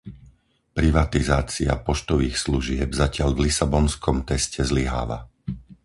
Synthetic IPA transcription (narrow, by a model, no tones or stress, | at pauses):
pɾiʋat̪izaːt͡sia̰pɔʃt̪ɔʋiːxsluʒɪɛbzacɪaʎvlisabɔnskɔmt̪ɛscɛzliɦa̰ːʋa̰